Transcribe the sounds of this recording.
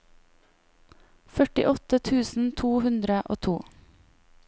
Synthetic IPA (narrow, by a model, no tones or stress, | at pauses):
fœʈɪ̰ʔɔt̪ət̪ʰʉːsn̩t̪ʰuːhʉnd̪ɾəʔo̰ːt̪ʰuː